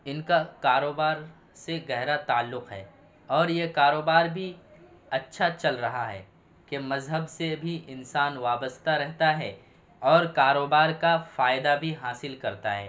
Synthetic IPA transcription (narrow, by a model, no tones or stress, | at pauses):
ɪnkakaːɾoːbaːɾ | seɡɛɦɾat̪aːlːʊqɦɛ̰ː | ɔːɾjekaːɾoːbaːɾbʱi | ɐtːʃʰat͡ʃɐlɾɐɦaɦɛ̰ː | kemɐzɦəbsebʱiʔɪnsaːnʋaːbəst̪aɾɛɦt̪aɦɛ | ɔːɾkaːɾoːbaːɾkafaːɪd̪abʱiɦaːsɪlkɐɾt̪aɦɛ̰ː